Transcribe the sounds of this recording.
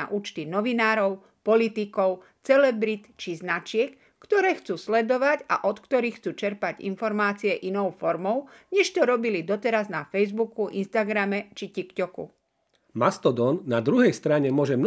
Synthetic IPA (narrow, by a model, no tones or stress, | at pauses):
a̰ʔuːt͡ʃt̪inɔʋinaːɾɔʊ | pɔlit̪ikɔʊ | t͡sɛlɛbɾit̪t͡ʃiznat͡ʃɪɛkːt̪ɔɾɛːxt͡suːslɛd̪ɔʋaca̰ʔɔt̪kt̪ɔɾiːxt͡suːt͡ʃɛɾpaɟḭnfɔɾmaːt͡siɛʔinɔʊfɔɾmɔʊɲɛʃt̪ɔɾɔbilid̪ɔt̪ɛɾaznafɛjzbukuʔḭnst̪aɡɾamɛt͡ʃicikcɔkṵ | mast̪ɔd̪ɔnːad̪ɾuɦɛjst̪ɾaɲɛmʊɔʒɛmn